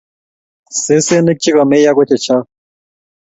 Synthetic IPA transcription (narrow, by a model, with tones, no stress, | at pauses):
se˦se˦ni˦k̚t͡ɕi˦ka˨me˦ja˦ko˦t̪ʰe˨t͡ɕʰa˦